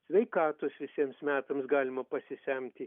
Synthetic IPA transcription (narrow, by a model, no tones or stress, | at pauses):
sʲʋʲɛɪkɑːt̪oːsʋʲɪsʲiɛmsmʲæːt̪ɐmsɡɑːlʲɪmɐpɐsʲɪsʲæmʲt̪ʲɪ